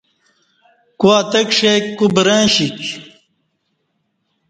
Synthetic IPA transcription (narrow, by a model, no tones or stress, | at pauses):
kuaːt̪ɐkʂekːubɾãːɕik